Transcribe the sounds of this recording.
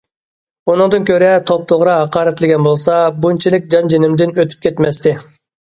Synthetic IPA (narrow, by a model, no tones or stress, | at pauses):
unɨŋd̪ɨnkʲʰøɾɛt̪ʰop̚t̪ʰoʁɾɑɦɑqɑːɾɛt̪lɪɡʲɛnbolˠsɑbunt͡ʃʰilˠɪkʲd͡ʒɑnd͡ʒenɪmd̪ɪnøt̪ʰy̥p̚kʲʰet̪mɛst̪ɪ